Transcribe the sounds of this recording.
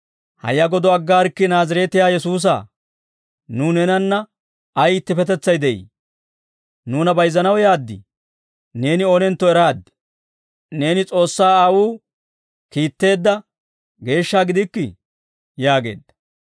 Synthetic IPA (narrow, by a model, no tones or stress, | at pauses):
hɐ̰jːɐɡɔd̪ɔɐɡːaːɾkːɪnaːzɐɾɛːt̪ɪjaːjɛs̬uːs̬a̰ː | nunɛnɐnːɐ | ɐjɪt̪ːɪfɛt̪̬ɛt͡sːɐjd̪ɛʔḭ | nuːnɐbɐjzɐnɐwjaːd̪ːɪ̰ | ne̞ːnɪɔnɛnt̪ːɔɛɾaːd̪ | ne̞ːnɪt͡sʼo̞ːsːaːɐwuː | kiːt̪ːe̞ːd̪ːɐ | ɡe̞ːʃːaːɡɪd̪ɪkːɪ̰ | jaːɡe̞̰ːd̪ɐ